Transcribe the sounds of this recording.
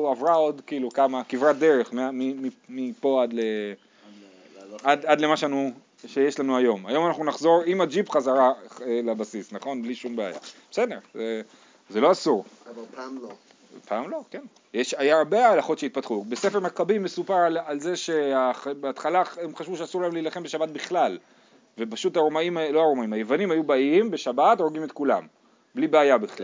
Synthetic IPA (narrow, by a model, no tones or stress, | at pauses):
avʁao̞d̪kiːlukamakivʁat̚d̪e̞ʁe̞χmeamimimipo̞ad̪le | ad̪ad̪le̞maʃeanu | ʃejeʃlanuajo̞ma̰jo̞manaχnunaχzo̞ʁimad͡ʒipχazaʁaelabasisnaχo̞nbliʃumbea̰ja̰besedeʁze | zelo̞asuʁpaml | pʰaːmlo̞ken | jeʃajaʁbeaːlaχott͡ʃʃeit̪̚pat̪χubesefemakabime̞supaʁalalze̞ʃe̞abeat̪χalaemχaʃvuʃeasuʁlaemliːlaχembe̞ʃabat̪̚biχlal | vepaʃutaʁomaimaloaʁomaimajevanimhajubaimbe̞ʃabat̪oʁɡimet̪kula̰m | blibeajabiχla̰